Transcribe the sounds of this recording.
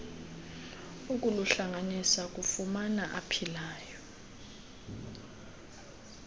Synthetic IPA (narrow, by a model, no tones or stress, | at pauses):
ukʼuluɬaŋanisak̬ʼufumanaʔapʰilaːjɔ